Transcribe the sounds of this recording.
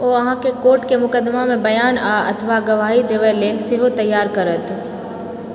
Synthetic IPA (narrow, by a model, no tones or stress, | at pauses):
oːɐɦãkekoːɾʈkemʊkəd̪ːmamẽbɐjaːnaːɐ̰t̪ʰʋaɡɐʋaːɦid̪eʋeleːlsɪɦot̪ɐjːaːɾkɐɾət̪